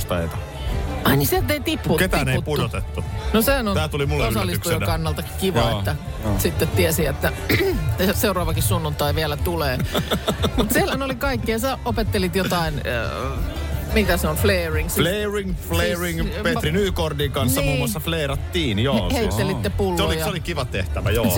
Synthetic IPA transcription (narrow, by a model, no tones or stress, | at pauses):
st̪ḛit̪ɑ | ɑinisiet̪eit̪iphuket̪æneːitpuot̪et̪ːunosehænont̪æːt̪ulimulːosɑlːisst̪ujonkɑnːɑlt̪ɑkkiʋɑeːæ | sit̪ːet̪t̪iesiet̪ːæ | seurɑːʋɑkissunːunt̪ɑiʋiɛlæt̪uleː | mut̪sielhænolikɑikːiɑsæopet̪ːelit̪jot̪ɑin | mikæseolfleːriŋsleːriŋflleːriŋpet̪rinyːkordiːkɑnsːɑimuːmːmoɑsːɑfleiɾɑt̪ːiːnjoheˑit̪ːelit̪nːepulːolijɑolikiʋɑt̪ḛht̪æʋæ̰jo̰ː